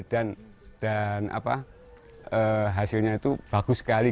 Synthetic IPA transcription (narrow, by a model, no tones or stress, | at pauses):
d̥an | d̥anʔa̰pa̰ | ʔəɦasɪlɲait̪ub̥aɡ̥usə̥kali